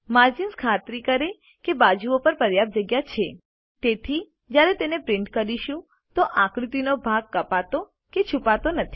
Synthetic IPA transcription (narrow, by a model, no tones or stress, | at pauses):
maɾd͡ʒinskʰat̪ɾikəɾe | kebad͡ʒuopəɾpəɾjab̚d͡ʒəɡjat͡ʃʰe | t̪et̪ʰi | d͡ʒjaɾet̪enepɾɪɳʈkəɾiʃũ | t̪oʔãkɽit̪inobʱaɡ̚kəpat̪o | ket͡ʃʰupat̪onət̪ʰi̥